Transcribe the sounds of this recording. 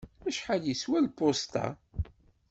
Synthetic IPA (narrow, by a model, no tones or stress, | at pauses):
æʃħaljiswælpost̪a̰